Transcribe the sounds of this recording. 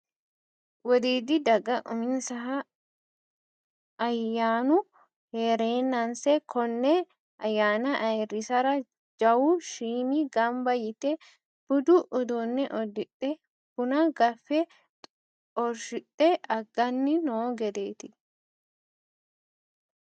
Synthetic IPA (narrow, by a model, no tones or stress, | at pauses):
wɔd̪iːd̪ɪd̪ɐɡɐʔʊmɪnsɐɦɐ | jːaːnʊ | heːɾeːnːɐnsɛkʰɔnːɛ | ɐjːaːnɐʔɐɾɪsɐɾɐ | d͡ʒɐwuʃiːmiɡɐmbɐjɪt̪ɛ | b̥ʊd̪uʔʊd̪ɔnːɛʔɔd̪ɪtːɛ | kʊnɐɡɐfːɛ | ɔɾʃɪtʼːɛʔɐɡːɐnːɪnoːɡɛd̪eːt̪ɪ